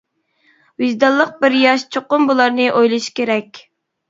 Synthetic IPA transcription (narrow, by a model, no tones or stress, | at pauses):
wɪzd̪ɑlˠːəq̚bɪɾjɑʃt͡ʃʰoqʊmbulˠɑɾnɨʔojlˠɨʃkʲʰeɾɛkʲ